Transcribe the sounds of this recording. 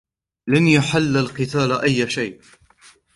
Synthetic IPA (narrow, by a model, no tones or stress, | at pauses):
lanjaħalːalqɨt̪aːlaʔajːʃajʔ